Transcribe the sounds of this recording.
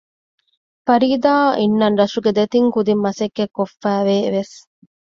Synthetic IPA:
fɐɾiːd̪aːʔinːɐnɾɐsuɡed̪et̪iŋkud̪imːɐsekːekːofːæːʋeːʋes

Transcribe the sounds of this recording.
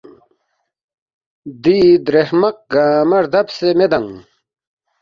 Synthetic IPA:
d̪iːd̪ɾehmɐq̚ɡaːmɐɾd̪ɐbsemed̪ɐŋ

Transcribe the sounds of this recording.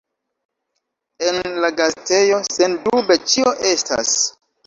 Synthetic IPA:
e̞nlaɡaste̞jo̞se̞ndube̞t͡ʃio̞ʔe̞sta̰s

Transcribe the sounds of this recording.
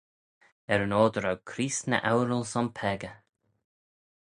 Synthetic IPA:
ɛɾənoːd̪əɾawkʰɾiːsnə̰ʔawɾəlsɔnpʰɛɡə

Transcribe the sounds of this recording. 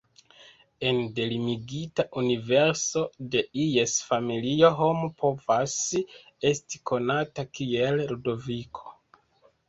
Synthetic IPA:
e̞nde̞limiɡitaʔunive̞ɾso̞de̞iesfamilio̞ɦo̞mupʰo̞vas | e̞sti̥kʰo̞natakie̞lɾudo̞vikʰo̞̥

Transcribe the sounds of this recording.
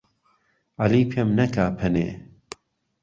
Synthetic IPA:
ɐliːpʰemnɐkʰaːpʰɐnḛː

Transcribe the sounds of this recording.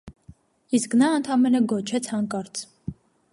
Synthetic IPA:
isknɑənt̪ʰɑmɛnəɡɔt͡ʃʰɛt͡sʰhɑŋkɑɾt͡sʰ

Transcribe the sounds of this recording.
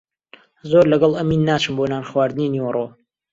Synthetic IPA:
zoɾlɐɡɐlˠʔɐmiːnːaːt͡ʃɨmboːnaːnχwaːɾd̪ɨninewro

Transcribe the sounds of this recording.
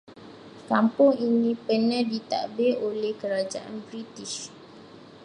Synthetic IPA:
kampʊŋinĩpənədit̪a̰ʔbeʔolɛhkəɾad͡ʒaʔa̰nbɾitiʃ

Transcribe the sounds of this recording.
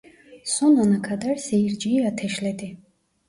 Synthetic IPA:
sɔnanakʰad̪aɾsɛiɾd͡ʒiːat̪ʰɛʃlɛd̪i

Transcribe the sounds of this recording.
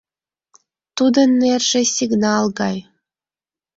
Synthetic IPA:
t̪ud̪ɤ̆nːerʲʒ̥ĕsʲiɡnɑlˠɡɑj

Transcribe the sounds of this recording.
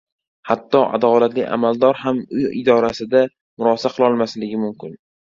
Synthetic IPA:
hat̪ʰːɒʔa̰d̪ɒlat̪lɪʔa̰mald̪ɒɾhamʊjɪ̰d̪ɒɾasɪd̪a | mʊɾɒsaqʰɨlˠɒlˠmaslɪɡʲɪmʊmkʲʰɪn

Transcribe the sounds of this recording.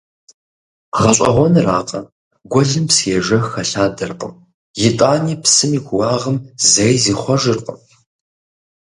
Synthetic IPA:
ʁɐɕʷʼɐ̰ʁʷɔnraːqʼɐ | ɡʷɔɮɨmsjɛʒɐxɐɬaːdɐrqʼə̰m | jɪtʼaːniːpsɨmiːkʷʰʊwaːʁəmzɐjziːχʷɔʒɨrqʼə̰m

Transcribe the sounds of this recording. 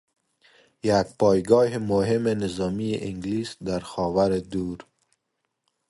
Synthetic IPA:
jak̚pɔjɡɔɦɪmʊɦɪmɪnɪzɔmiʔɪŋɡlisd̪aɾxɔwaɾɪd̪uɾ

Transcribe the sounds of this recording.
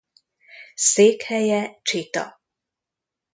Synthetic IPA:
seːkhɛjɛt͡ʃit̪ɒ̰

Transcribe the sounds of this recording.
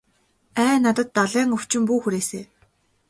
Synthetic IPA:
æːnːat̪ə̆t̪ːaɮæːŋɵw̥t͡ɕɪ̆mpuːxuɾeːseː

